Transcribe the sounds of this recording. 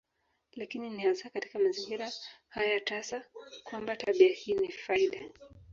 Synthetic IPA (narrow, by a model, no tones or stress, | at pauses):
lakininianzakati̥kamaziŋɡiɾahajatasakwambataɓiahiːnifaiɗa